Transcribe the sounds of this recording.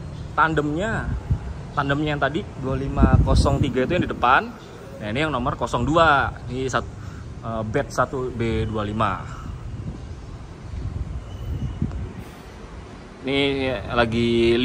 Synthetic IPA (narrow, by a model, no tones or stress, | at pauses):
t̪andəmɲa | t̪andəmɲajaŋt̪adidualimakosɔŋt̪iɡait̪ujadidəpanː | ainijaŋnomərkosɔŋduanisat̪ | əbɛt̪̚sat̪ubedualima̰ | inilaɡil